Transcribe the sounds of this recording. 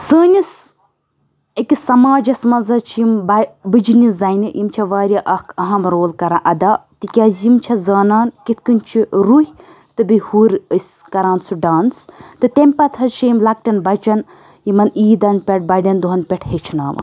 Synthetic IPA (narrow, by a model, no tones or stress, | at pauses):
səːnʲis | ekisɐmaːd͡ʒɐsmɐnzɐt͡ʃʰimbɐbɨd͡ʒinizɐjniʔjimt͡ʃʰɐʋaːɾʲjaʔɐhkɐɦɐmɾoːlkɐɾãʔɐd̪at̪ikʲaːzʲjimt͡ʃʰɐzaːnaːnkit̪̚ʰkɨnʲt͡ʃʰiɾuɦʲ | t̪ɨbɨhuːɾəsʲ | kɐɾaːnsuɖaːnst̪ɨt̪emʲpɐt̪ʰɐt͡ʃʰiːmlɐk̚ʈʲɐnbɐt͡ʃɐn | jimɐniːd̪ɐnpʲeʈ̚bɐɖʲɐnd̪uɦɐnpʲeʈʰhet͡ʃʰna̰ːmɐ̰